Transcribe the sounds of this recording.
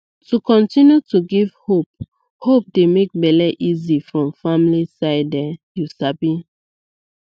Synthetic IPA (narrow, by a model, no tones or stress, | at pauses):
tukʰɔ̃ntĩnjutuɡiv̥hop̚ | hop̚demek̚bɛlɛʔizifɹɔ̃mfamlisaɪdɛjusabi